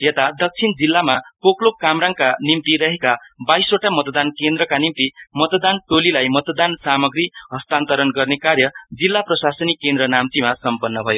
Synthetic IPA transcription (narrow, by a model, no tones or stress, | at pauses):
jet̪ad̪ʌk̚t͡sʰind͡zilːamapoklokːamɾaŋkanimt̪iɾʌɦekabajsoʈamʌt̪d̪ankend̪ɾʌkanimt̪imʌt̪d̪anʈolilajmʌt̪d̪ansamʌɡɾiɦʌst̪ant̪ʌɾʌnɡʌrnekarjʌd͡zilːaprʌsasʌnikːend̪ɾʌnamt̪imasʌmpʌnːʌbʱʌjo